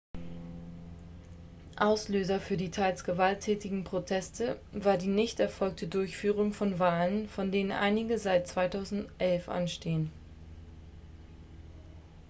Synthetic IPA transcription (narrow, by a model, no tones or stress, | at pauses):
ʔaʊsløːzɐfyːɐdiːtʰaɪlsɡ̥əvaltʰːɛːtɪɡŋ̩pʁ̥otʰɛstʰəvaːɐdiːnɪçtɛɐfɔlk̚tʰədʊɐçfyːʁ̞ʊŋfɔnvaːlənfɔndeːnənʔa̰ɪnɪɡəzaɪt̚t͡sv̥aɪtʰaʊzn̩tʔɛlfʔa̰nʃteːən